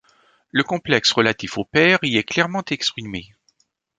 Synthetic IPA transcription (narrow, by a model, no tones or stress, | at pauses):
ləkɔ̃plɛksʁəlat̪ifopɛʁiɛklɛʁmɑ̃t̪ɛkspχime